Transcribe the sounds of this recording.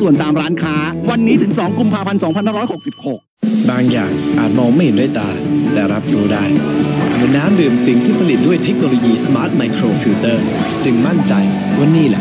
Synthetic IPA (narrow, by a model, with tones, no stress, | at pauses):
su˨˩ənt̪aː˧mɾaː˦˥nkʰaː˦˥wa˧nːiː˦˥t̪ʰɯ˩˦ŋsɔː˩˦ŋku˧mpʰaː˧pʰa˧nsɔː˩˦ŋpʰa˧naː˥˩ɾɔː˦˥˩ho˨˩k̚si˨˩p̚ho˨˩k̚ | baː˧ŋja̰ː˨˩ŋʔaː˨˩t̪̚mɔː˧ŋma˥˩jhe˨˦daː˥˩jt̪aː˧t̪ɛː˨˩ɾa˦˥p̚ɾuː˧˥daː˥˩jmː˨˩˦naː˦˥mdɯː˨˩msi˨˩˦ŋt̪ʰiː˥˩pʰa˧li˨˩t̪̚du˥˩əjt̪ʰe˦˥k̚noː˧loː˧jiː˧sa˧maː˦˥t̪̚ma˧jkʰɾoː˧fʰiː˧˥wt̪ɤː˥˩ | t͡ɕɯ˧ŋma˥˩nt͡ɕa˧j | wa˥˩niː˥˩lɛ̰˧˩